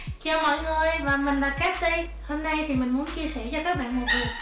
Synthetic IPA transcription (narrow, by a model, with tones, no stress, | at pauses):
t͡ɕɔ˧˩mɔ̰˧˨jŋɨ˨˩əjvaː˨˩mï˨˩ŋ̟laː˨˩kɛː˦˥t̚ɗi˧j | ho˧mnə˧jt̪ʰi˨˩mï˨˩ŋ̟mu˨˦ənt͡ɕi˧əsɛ˧˩t͡ɕɔ˧kaː˦˥k̚ɓa̰ː˧˨ŋhaː˨˩vi˨˩